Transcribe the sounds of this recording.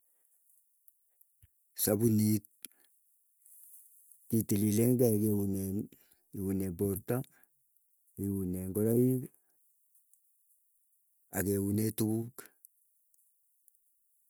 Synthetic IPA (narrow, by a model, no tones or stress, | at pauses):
sabunit̚ | itilileŋɡakewunen | iwunebɔɾta | iwuneŋɡɔɾaik | akewunetukuk